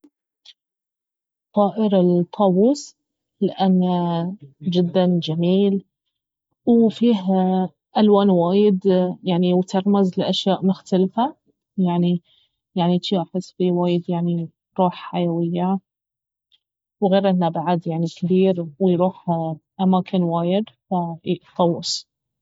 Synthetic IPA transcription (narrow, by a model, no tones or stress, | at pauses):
t̪ˤɑːʔɪɾɪlt̪ˤʰːɑwuːs | lɪʔanːa | d͡ʒɪd̪ːand͡ʒamiːl | wfiːɦ | ʔalwaːnwaːjɪd̪jaʕniwt̪ɑɾˤmazlɪʔaʃjaːʔmʊxt̪alfa | jaʕni | jaʕnit̪jaːħɪsbiwaːjɪd̪jaʕni | ɾˤuːħħajawɪjːa | wɣeːɾʔɪnːabaʕad̪jaʕnikθiːɾwɪjɾuːħʔamaːkʰɪnwaːjɪd̪fat̪ˤːɑwːɪs